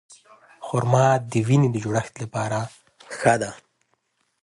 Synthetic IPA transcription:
xʊɾmɑːt̪̚d̪əwinid̪əd͡ʒuɽaxt̪lapɑːɾa | xad̪a

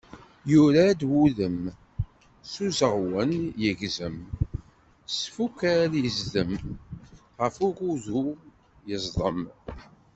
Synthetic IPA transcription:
juɾad̪wuðəm | suzəʁwənjəʝzəm | sfukːæljəzðəm | ʁəfʊɾuðu | jəzˤðˤəm

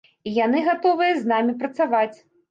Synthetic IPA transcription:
ijan̪ɨɣat̪ɔvɨjɐznamʲipɾɐt̪savat͡sʲ

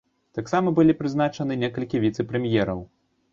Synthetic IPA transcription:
t̪aksamɐbɨlʲipɾɨznat͡ʂɐnɨnʲɛkɐlʲkʲivʲit̪sɛpɾɛmʲjɛɾɐw

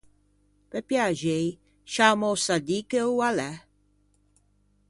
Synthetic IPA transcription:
pɛpjaʒej | ʃamosad̪ikəualɛ

